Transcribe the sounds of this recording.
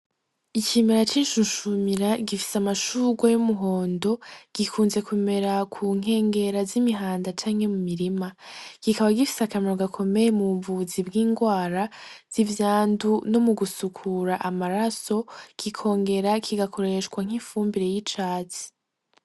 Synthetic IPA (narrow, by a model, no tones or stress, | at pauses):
icimeɾat͡ʃiːnʃunʃumiɾaɡifi̥samaʃuːɡwajumuɦo̞ːndo̞ɡ̥ikʰuːnze̞kume̞ɾakʰuŋ̥e̞ːŋɡe̞ɾazimiɦaːndat͡ʃaːŋhe̞mumiɾimaɡ̥ikaβaɡifi̥sakameɾoɡakʰo̞me̞jemuɱvuzibɡiːŋɡwaːɾaz̥ivjaːnduno̞muɡusukʰuɾaʔamaɾaso̞ɡ̥ikʰo̞ːŋɡe̞ɾakʰiɡakʰo̞ɾe̞ʃkwaŋ̥iɱfuːmbiɾe̞jit͡ʃaːt͡si̥